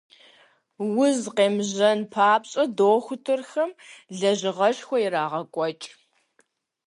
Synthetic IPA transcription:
wʊzqeːmʑɐnpʰaːpɕʼɐdoːxʷʊtʰɨrxɐmɮɐʑɪʁɐɕxʷɔjɪɾaːʁɐkʷʼɔt͡ʃʼ

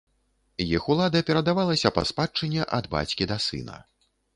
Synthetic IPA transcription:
jixulˠad̪ɐpʲɛɾɐd̪avalˠɐsʲɐpɐ̰spat͡ʂɨnʲːɛʔɐd̪ba̰t͡sʲkʲid̪ɐsɨ̰nɐ̰

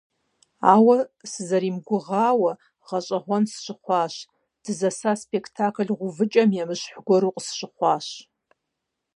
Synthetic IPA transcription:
aːwɐsɨzɐɾimɡʷʊʁaːwɐ | ʁɐɕʼɐʁʷɔnsʃɪχʷɑːʃ | d̥ɨzɐsaspʰʼekʰtʰakʰɨlʁʷʊvɨt͡ʃʼɐmjamɨʃħʷɡʷɔɾuqʼsʃɪχʷɑːʃ

